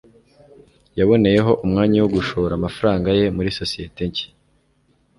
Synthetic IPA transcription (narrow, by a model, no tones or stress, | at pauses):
jaβo̞ne̞je̞ɦo̞ʔumŋaːɲawoɡuʃo̞ɾamafaɾaːŋɡaje̞muɾiso̞sije̞te̞ɲci̥